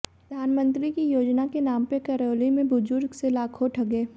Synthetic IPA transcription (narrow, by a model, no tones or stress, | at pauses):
pɾɾɐd̪ʱaːnmə̃nt̪ɾikijoːd͡ʒnakenaːmpekɐɾoːlimẽbʊd͡ʒʊɾɡselaːkʰoʈʰɐɡeː